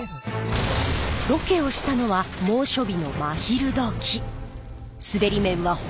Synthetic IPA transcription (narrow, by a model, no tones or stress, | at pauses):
d̪o̞ke̞o̞ɕi̥t̪ano̞βamo̞ːɕo̞bʲino̞maçiɾɯ̟d̪o̞kʲʰi | sɨbe̞ɾʲimẽ̞ɰ̃βa